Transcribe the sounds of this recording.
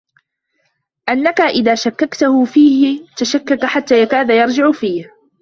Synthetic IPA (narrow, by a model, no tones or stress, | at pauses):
ʔanːakaʔɪðaːʃakːakt̪ahʊfiːhɪt̪aʃakːakaħat̪ːaːjakaːðajɑɾˤd͡ʒɪʕfiːh